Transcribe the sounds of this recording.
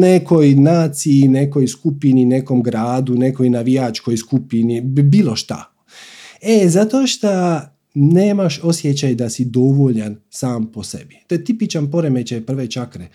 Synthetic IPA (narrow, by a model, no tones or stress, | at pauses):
neko̞jnaːt̪siine̞ko̞jskupinine̞komɡɾaːd̪une̞ko̞jnaʋijat͡ʃko̞jskupinibiːlˠo̞ʃt̪a̰ | ezat̪oʃt̪a | ne̞ːmaʃo̞sjet͡ɕajd̪asid̪o̞ʋoʎansaːmpo̞sebit̪ojet̪ipit͡ʃanpo̞ɾemet͡ɕajpr̩ʋet͡ʃakɾe